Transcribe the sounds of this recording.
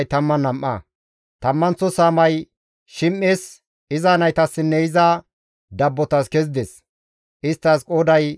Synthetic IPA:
jt̪ɐmːɐnɐmʔːɐ̰ | t̪ɐmːɐnt͡sːɔsaːmɐj | ʃɪmʔːeːs | ɪzaːnɐjt̪ɐsːɪnːɛɪzɐ | d̪ɐbːɔt̪ɐskɛzd̪ɛs | ʔɪst̪ːɐskʼoːd̪ɐj

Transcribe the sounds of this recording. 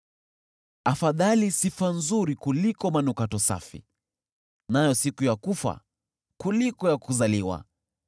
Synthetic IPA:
afaðalisifanzuɾikulikɔmanukatɔsa̰fḭ | najɔsikujakufa̰ | kulikɔjakuzaliwa̰

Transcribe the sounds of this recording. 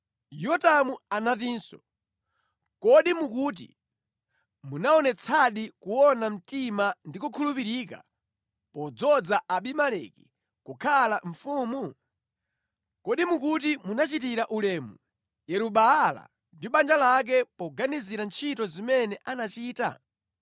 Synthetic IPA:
jɔtamuanatiːnsɔ̰ | kɔɗimukuːt̬ḭ | munaɔnɛt͡sʰaɗikuwɔnam̩timandikukʰulupiɾiːka̰ | pɔd͡zɔd͡zaʔaɓimalɛ̰ki̥ | kukʰalaɱfuːmu | kɔɗimukut̬imunat͡ʃitiɾaʔulɛːmu | jɛɾuɓaːla̰ | ndiɓand͡ʒalak̬ɛpɔɡaniziɾant͡ʃʰitɔzimɛnɛʔanat͡ʃiːta̰

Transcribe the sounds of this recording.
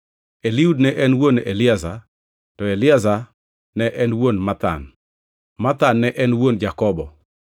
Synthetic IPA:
eliudnɛʔɛnwonelɪaza | tɔelɪaza | nɛʔɛnwonmat̪a̰n | mat̪anːɛʔɛnwond͡ʒakɔbɔ

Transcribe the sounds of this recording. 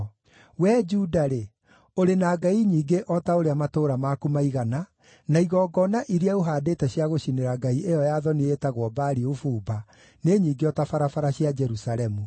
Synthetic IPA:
wɛːd͡ʒuːdaɾe | oɾenaːɡaiɲiːɡeʔɔtaoɾeamatoːɾamaːkumaiɣana | naiɣɔːɡɔnaʔiɾiaoɦaːdeːtɛɕiaɣoɕineɾaɡaiʔejɔjaðɔnietaɣwɔbaɾiofuːba | neɲiːɡeɔtafaɾafaɾaɕiad͡ʒɛɾusalɛmu

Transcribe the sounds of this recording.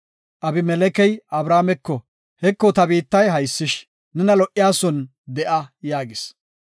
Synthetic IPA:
ʔɐbɪmɛlɛkɛjɐbɾaːmɛkːɔ | hɛkːɔt̪ɐbiːt̪ːɐjɦɐjsːɪʃ | nɛnɐlɔʔɪjaːsɔn | d̪ɛʔɐjaːɡɪs

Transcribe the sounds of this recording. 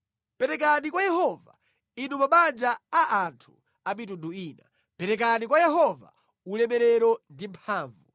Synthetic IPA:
pɛɾɛk̬anikwajɛhɔva̰ | inumaɓand͡ʒaaʔantʰu | amit̬unduiːna̰ | pɛɾɛk̬anikwajɛɦɔva̰ | ulɛmɛɾɛɾɔndimpʰaːɱvu

